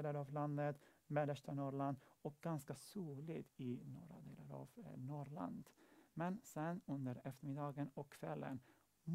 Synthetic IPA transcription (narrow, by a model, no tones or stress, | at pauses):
laɾavland̪ət̪mɛd̪əʂʈanɔɭand̪ɔk̚ɡ̥anskasuːlɪɡɪnɔːɾa̰d̪ḛːlaɾa̰vnɔɾɭa̰nd̪mɛnsɛnɵnd̪əɾɛft̪əɾmɪd̪ɑːɡənɔkʰːvɛlːə̰n | m